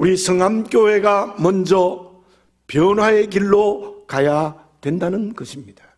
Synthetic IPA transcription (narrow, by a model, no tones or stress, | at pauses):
uɾisʰɯŋamk͈joɦeɡamʌnd͡ʑʌ | pjʌnwae̞ɡiɭːokaja | dwe̞ndanɯnɡʌɕʰimɲid̥ḁ